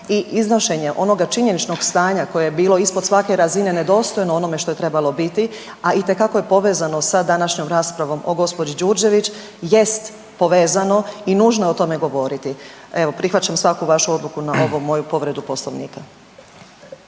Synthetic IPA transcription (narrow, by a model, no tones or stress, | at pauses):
iʔiznoʃe̞ɲe̞ʔo̞no̞ɡat͡ʃiɲe̞nit͡ʃno̞ɡst̪aːɲako̞jejebiːlˠo̞ispo̞d̪sʋake̞ɾazine̞ne̞d̪o̞ːst̪o̞jno̞o̞no̞me̞ʃt̪o̞je̞t̪ɾe̞balo̞bit̪i | ait̪e̞kakoje̞po̞ʋe̞ːzano̞sad̪anaʃɲo̞mɾaːspɾaʋo̞mo̞ɡo̞spo̞d͡ʑid͡ʒuɾd͡ʑe̞ʋit͡ɕ | je̞st̪ | po̞ʋeːzano̞inuːʒno̞jeot̪o̞me̞ɡo̞ʋo̞ɾit̪ie̞ʋo̞pɾixʋat͡ɕamsʋakuʋaʃuo̞d̪lˠukunao̞ʋomo̞jupo̞ʋɾe̞d̪upo̞sloʋnḭːka